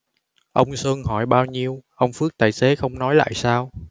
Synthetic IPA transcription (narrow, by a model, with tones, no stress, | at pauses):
ʔə˧wŋ͡msəː˧ŋɦɔ˧˩jɓaː˧wɲi˧əwʔə˧wŋ͡mfɨ˦˥ək̚t̪aː˧˩jse˨˦xə˧wŋ͡mnɔ˨˦jla̰ː˧˨jsaː˧w